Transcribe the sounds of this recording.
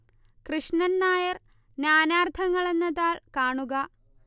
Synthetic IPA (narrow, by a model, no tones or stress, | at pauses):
krɨʂɳɐnnaːjɐr | njaːnaːrt̪ʰɐŋːɐɭe̞nːɐðaːɭkaːɳuɣɐ